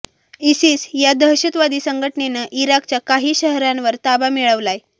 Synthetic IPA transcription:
isiːsjad̪əɾɕət̪ʋad̪iːsəŋɡʱəʈnenaʔiɾakt͡ɕjakaɦiːɕəɦɾanʋəɾt̪abamiɭəʋlaj

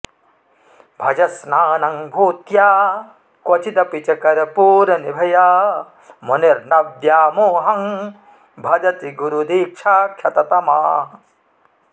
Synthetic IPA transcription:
bʱɐd͡ʒɐsnaːnɐŋbʱuːt̪jaː | kwɐt͡ʃʰit̪ɐpit͡ʃɐkɐɾɐpuːɾɐnibʱɐjaː | moniɾnɐʋdjaːmoɦɐŋ | bʱɐd͡ʒɐt̪iɡuɾud̪iːkʂʰaːkʰʃɐt̪ɐt̪ɐmaː

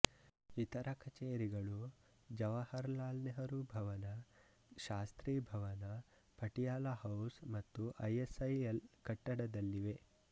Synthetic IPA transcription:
it̪ɐɾɐkɐt͡ʃeːɾiɡɐɭu | d͡ʒɐʋɐhɐɾlaːlneɦɐɾubʱɐʋɐnɐ | ʃaːst̪ɾiːbʱɐʋɐnɐ | pɐʈijaːlaɦɐwsmɐt̪ːuʔɐjesɐjelkɐʈːɐɽɐd̪ɐlːiʋe

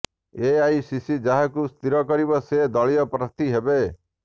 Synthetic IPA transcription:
eajsisid͡ʒaɦakust̪iɾɔkɔɾibɔsed̪ɔɭijɔpɾɔt̪iɦebe

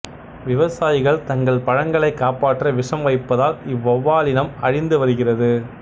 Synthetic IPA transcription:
ʋɪʋɐsaːjɪɣɐɭt̪ɐŋɡɐɭpɐɻɐŋɡɐɭɐɪkːaːpaːʈːrɐʋɪʂɐmʋɐɪpːɐðaːlɪʋːɐʋːaːlɪnɐmɐɻɪnd̪ɯʋɐɾɯɣɪrɐðɯ

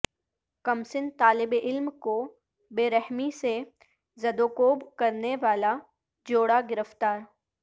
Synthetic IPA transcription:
kɐmsɪnt̪aːlɪbɪlmko | beːɾɛɦmise | zɐd̪oːkoːbkɐɾneʋaːla | d͡ʒoːɽaɡɪɾəft̪aːɾ

